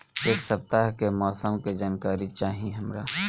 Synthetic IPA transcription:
eːksɐp̚t̪aːɦkemɔːsəmked͡ʒaːnkaːɾit͡ʃaːɦieɦɐmɾaː

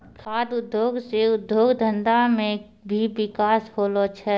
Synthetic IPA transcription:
kʰaːd̪ʊd̪ʱjoːɡseʊd̪ʱjoːɡd̪ʱə̃nd̪amẽ | bʱiʋɪkaːshoːlot͡ʃʰɛ

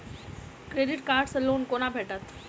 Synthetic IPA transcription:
kɾeːɖɪʈkaːɾɖsəloːnkoːnaːbʱeːʈət̪ʰ

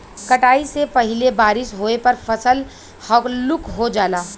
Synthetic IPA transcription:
kɐʈaːisepɐɦɪlebaːɾɪʃɦoːepɐɾfʰɐsəl | hɔklʊkɦod͡ʒaːlaː

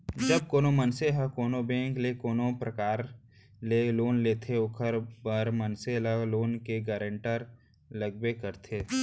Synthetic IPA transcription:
d͡ʒɐb̚koːnomənseɦəkoːnobẽːŋklekoːnopɾɐkaːɾ | leloːnleːt̪ʰeʊkʰəɾbəɾmənseləɡloːnkeɡɛːɾə̃ɳʈəɾ | ləɡbekəɾt̪ʰeː

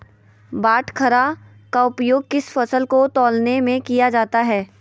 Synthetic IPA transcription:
baːʈʰkʰɐɾa | kaʊpjoːɡ̚kɪsfɐsəlkot̪ɔːlnemẽkijad͡ʒaːt̪aɦɛː

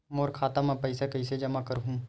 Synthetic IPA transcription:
moːɾkʰaːt̪amɛ̃pɐɪsekɐɪsed͡ʒɐmakɐɾɦũː

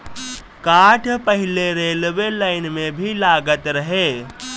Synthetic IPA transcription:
kaːʈʰpəɦɪleɾeːlʋelaːɪnmẽbʱilaːɡət̪ɾɐɦe

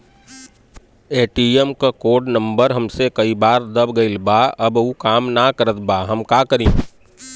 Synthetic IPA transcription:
eːʈiːemkakoːɖnə̃mbəɾɦɐmsekɐibaːɾd̪əbɡɐɪlbaːɐbũkaːmnakəɾət̪baːɦɐmkaːkəɾĩː

